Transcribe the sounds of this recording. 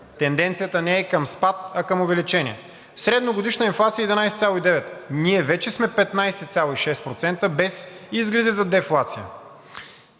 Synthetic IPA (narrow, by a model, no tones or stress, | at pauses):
t̪ɛnd̪ɛnt̪sijət̪ənɛːkəmspat̪̚ɐkəmovɛlit͡ʃɛniɛ | fsɾɛd̪noɡod̪iʃnəinflˠat̪siəiːd̪inajsɛt̪sʲalˠoid̪ɛvɛt̪niɛvɛt͡ʃɛsmɛpɛt̪najsɛt̪sʲalˠoiʃɛst̪pɾot̪sɛnt̪əbɛsizɡlɾɐd̪izɐd̪ɛflˠat̪sijə̰